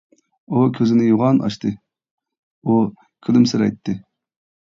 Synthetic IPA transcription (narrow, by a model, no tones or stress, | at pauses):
ukʲʰøzɪnɪjoʁɑnʔɑ̰ʃt̪ʰɨ | u | kʲʰylymsɪɾɛ̰jt̪ʰːɨ